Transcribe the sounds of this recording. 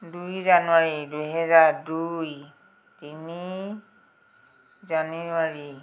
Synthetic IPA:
dujzanʊaɹidujɦɛzaɹduj | tini | zanuwaɹi

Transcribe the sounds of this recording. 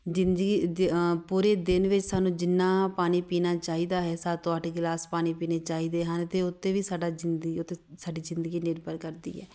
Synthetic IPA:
d͡ʒɪnd̪ɡipuːɾeːd̪ɪnʋɪt͡ʃsaːnũːd͡ʒɪnːaːpaːniːpiːnaːt͡ʃaːɦiːd̪aːɦɛːsaːt̪õːəʈʰɡɪlaːspaːniːpiːneːt͡ʃaːɦiːd̪eːɦənt̪eːʊt̪ːeːʋiːsaːɖaːd͡ʒɪnʊt̪ːesaːɖiːzɪ̃nd̪əɡiːnɪɾbəɾkəɾd̪ḭːɦɛ̰ː

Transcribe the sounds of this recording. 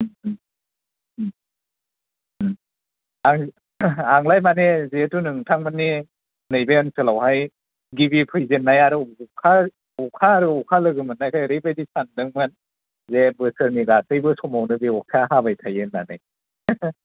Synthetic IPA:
aŋ | aŋlajmanezetunɯŋtʰaŋmɯnːi | nɯjbejɯnsʰɯlawɦaj | ɡibipʰɯjzenːajaɾɯkʰa | ɔkʰaːɾɯɔkʰalɯɡɯmɯnːajkʰajɾepʰedisʰandɯŋman | zebɯsɯɾniɡasɯjbɯsɔmawnɯbiɔkʰaɦabajtʰajɯnːanɯj

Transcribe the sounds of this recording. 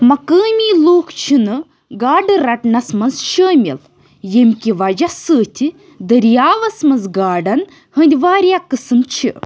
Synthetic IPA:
mɐkəːmʲiːloːkʰt͡ʃʰinɨ | ɡaːɖɨɾɐʈnɐsmɐnzʃəːmʲil | jemʲkʲiʋɐd͡ʒasəːt̪ʰʲi | d̪ɐɾjaːʋɐsmɐnzɡaːɖɐn | hɐnd̪ʲiʋaːɾʲjakɨsɨmt͡ʃʰi

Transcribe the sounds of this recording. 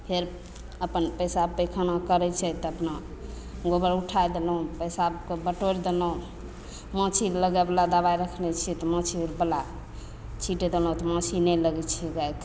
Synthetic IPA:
pʰeɾ | əpənpəjsapəjkʰanakəɾɛt͡ʃʰɛt̪ɔəpna | ɡobəɾuʈʰajd̪elũpəjsabkebəʈoɾd̪elɔ̃ | mə̃t͡ʃʰiɾləɡɛbəlad̪abaɾəkʰnɛt͡ʃʰit̪ɔmə̃t͡ʃʰiɾbəla | t͡ʃʰiʈɛd̪elɔũt̪ɔmə̃t͡ʃʰinɛləɡɛt͡ʃʰɛɡajk̪ʰ

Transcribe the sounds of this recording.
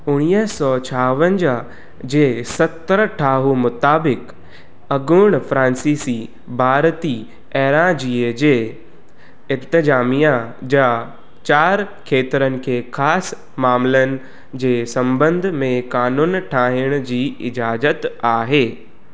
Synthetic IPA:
ʊɽ̃iːəsɔːt͡ɕʰaːʋə̃nd͡ʑa | d͡ʑeːsɐt̪əɾʈʰaːɦumʊt̪aːbɪk | ɐɡʊɽ̃fɾãːnsiːsi | bʱaːɾt̪i | ɛːɾãd͡ʑiːed͡ʑeː | ɪ̃nt̪əzaːmijãd͡ʑa | t͡ɕaːɾ | kʰeːt̪ɾənɪ̆kʰeːxʰaːs | maːmlənɪ̆ | d͡ʑeːsɐ̃mbə̃nd̪ʱmẽkaːnuːnʈʰaːɦɪɽ̃d͡ʑiːɪd͡ʑaːzət̪aːɦeː

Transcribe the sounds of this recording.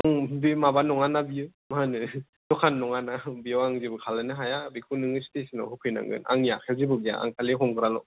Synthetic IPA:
aŋbimabanɔŋanabiɯmaɦanɯ | dɔkʰanːɔŋanabijawaŋzibɯkʰalanɯɦajabikʰunɯŋɯstesina̰hupʰɯjna̰ŋɡɯ̰na̰ŋja̰kʰewzibɯɡija̰a̰ŋkaliɦɔmkɯɾalɔ

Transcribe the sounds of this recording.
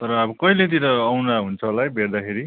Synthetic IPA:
t̪ʌɾʌabʌkʌilet̪iɾʌːwnaɦunt͡sʰʌlajbʱerd̪akʰeɾi

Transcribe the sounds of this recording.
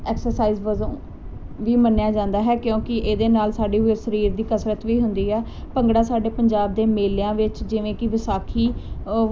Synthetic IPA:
ɛːksəɾsaːiːzʋəzõː | ʋiːmənjaːd͡ʒãːnd̪aːɦɛːkjõːkɪʔeːd̪eːnaːlsaːɖiːɦusəɾiːɾd̪iːkəsɾət̪ʋiːɦʊnd̪iːɦɛː | pəŋɡɽaːsaːɖeːpəɲd͡ʒaːb̚d̪eːmeːljãːʋɪt͡ʃd͡ʒɪʋẽːkɪʋɪsaːkʰiː

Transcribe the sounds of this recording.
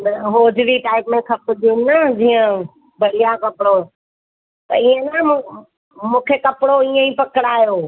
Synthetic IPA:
nɐɦoːd͡ʑɾiʈaːɪpmẽkʰɐpʰʊd̪innəd͡ʑiːə̃ | bɐɽ̤ijakɐpɪɽo | t̪ɐ̰iə̃nɐ̃ | mũːkʰekɐpɪɽoiːə̃ĩpɐkɪɽaːjoː

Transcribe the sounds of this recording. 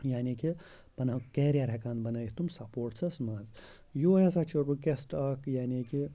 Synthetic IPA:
jaːniːki | pɐnakeːɾʲjaɾʲekaːnbɐnɐjht̪umsɐpoːɾʈt͡sʰɐsmɐz | joːjɐsat͡ʃʰuɾukesʈɐkjaːniki

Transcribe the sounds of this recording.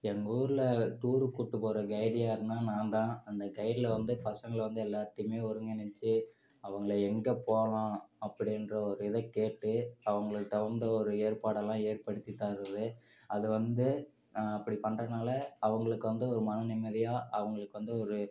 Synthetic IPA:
ɛŋɡɐuːɾɯlɐʈuːɾɯkuːʈːɯpoːɾɐɡɐɪɽɪjaːɪɾɯnaːnãːnt̪ãːɐnd̪ɐɡɐɪɾlɐʋɐnd̪ɯpɐsɐŋɡɐɭʋɐnd̪ɯɛlːaːt̪ːɪmeːɔɾɯŋɡɐnɐt͡ʃːɯ | ɐʋɐŋɡɐɭɛŋɡɐpoːlãːɐpːɐɽɪnrɐɔɾɯɪðɐkeːʈːɯɐʋɐŋɡɐɭɯt̪ːɐʋɐnd̪ɐɔɾɯeːɾpaːɽɛlːãːeːɾpɐɽɯt̪ːit̪ːaːɾɐðɯ | ɐðɯʋɐnd̪ɯ | ɐpːɐɽipɐɳrɐnaːlɐɐʋɐŋɡɐɭɯkːɯʋɐnd̪ɯɔɾɯmɐnɐnɪmɐðɪjaːʔɐʋɐŋɡɐɭɯkːɯʋɐnd̪ɯɔɾɯ

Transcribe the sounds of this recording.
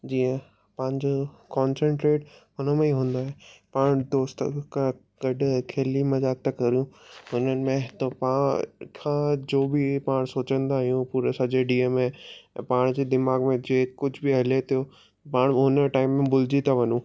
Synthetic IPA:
d͡ʑiːə̃ | pɐ̃ːɪ̃ɲd͡ʑo | kɔːnsə̃ɳʈɾeːʈɦʊnəmẽĩɦũːn̆d̪aːɦepaːɽ̃d̪oːst̪kʰã | ɡɐɖkʰeːlimɐzaːɡ̚t̪akɐɾijũɦʊnənɪ̆mẽt̪opaːkʰãːd͡ʑoːbipaːɽ̃soːt͡ɕə̃nd̪aːɦijũpuːɾesɐd͡ʑeɖiəmẽpaːɽ̃d͡ʑed̪ɪmaːɡmẽd͡ʑeːkʊd͡ʑʱbiɦɐlet̪ʰijo | paːɽ̃ɦʊnə̆ʈaːɪmːẽbʊlɪd͡ʑit̪ʰaʋɐnũ

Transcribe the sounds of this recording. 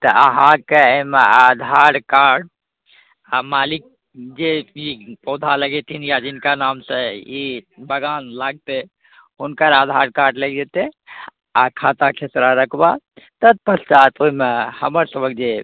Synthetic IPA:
t̪əəɦãkeəmead̪ʱaɾkaɾɖ̚ | amalik̚ | d͡ʒeipɔd̪ʱaləɡet̪ʰinjad͡ʒinkanamsə̃ibəɡanlaɡ̚t̪e | ɦunkəɾad̪ʱaɾkaɾɖləɡd͡ʒet̪e | akʰat̪akʰesɾaɾəkʰba | t̪ət̪̚pəsʰt͡ʃat̪oimehəməɾsəbək̚d͡ʒe

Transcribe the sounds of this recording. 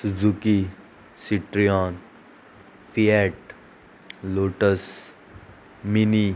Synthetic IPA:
suzuki | siʈɾijaːn | fʰiɛːʈ | loːʈəs | mini

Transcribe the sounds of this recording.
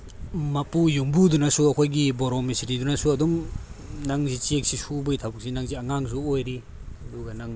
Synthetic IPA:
mapujumbudunasuɐkʰojɡibɔɾɔmisɾidunasuɐdɔmnaŋzit͡ʃek̚sisubɐjtʰabuk̚sinaŋziaŋaŋzuojɾi | ɐduɡɐnaŋ

